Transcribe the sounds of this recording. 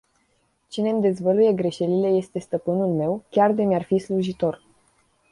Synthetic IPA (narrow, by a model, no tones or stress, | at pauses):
t͡ʃine̞md̪e̞zvəluje̞ɡɾe̞ʃe̞lile̞je̞st̪e̞st̪əpɨnulme̞wkʲard̪emʲarfisluʒit̪o̞r